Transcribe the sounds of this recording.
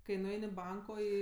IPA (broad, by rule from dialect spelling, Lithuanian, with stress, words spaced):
kɐɪ nʊˈɛɪnʲ ɪ ˈbɐŋkoː ˈiː